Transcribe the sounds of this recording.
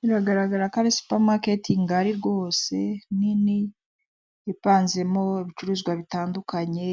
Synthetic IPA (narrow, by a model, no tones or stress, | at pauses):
niɾaɡaɾaɡaɾakaβisu̥pamake̞tiŋɡaɾiɾɡo̞ːse̞nini | epaːnze̞mo̞eβit͡ʃuɾuːzɡwaβitaːndukaɲe̞